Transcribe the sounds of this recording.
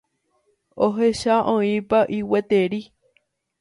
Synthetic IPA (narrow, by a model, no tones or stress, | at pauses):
oɦeʃaʔõĩpaʔiwet̪eɾi